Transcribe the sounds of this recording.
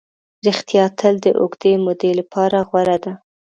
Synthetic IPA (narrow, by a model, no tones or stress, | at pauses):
ɾɪxt̪ijɑt̪ʰəld̪əʔʊ̰ɡd̪emod̪elapʰɑɾaɣwaɾad̪a